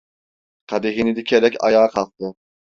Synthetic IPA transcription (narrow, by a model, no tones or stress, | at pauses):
qʰɑd̪ɪɦinɪd̪ɪkʲʰɛɾɛkʲɑ̰jɑːqʰɑlˠt̪ʰɨ